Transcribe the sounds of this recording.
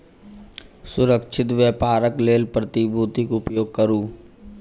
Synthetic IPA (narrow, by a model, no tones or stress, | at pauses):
sʊɾəkʃʰɪt̪ʋjəːpaːɾəkleːlpɾət̪ibʱuːt̪ikʊpjoːɡ̚kəɾuː